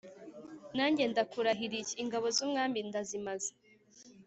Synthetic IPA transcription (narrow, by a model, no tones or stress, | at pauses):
naːɲɟe̞ndakuɾaɦiɾiciŋɡaβo̞zumŋaːmbindazimaze̥